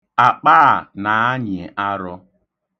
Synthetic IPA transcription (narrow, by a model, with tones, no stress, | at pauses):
a˨k͡paː˦˨na˨a˦ɲe˨ʔa˦ɾʊ˦